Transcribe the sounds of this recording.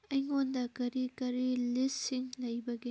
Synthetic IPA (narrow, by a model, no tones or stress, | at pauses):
ɐjŋondɐkɐɾikɐɾilisiŋlɐjbɐɡi